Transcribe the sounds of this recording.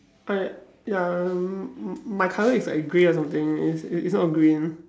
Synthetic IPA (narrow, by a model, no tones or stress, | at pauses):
ʔaɪ | ja | maɪkʰallɪksla̰ɡɹiɔsãmt̪ɪ̃ŋḭsisnɔt̚ɡɹĩn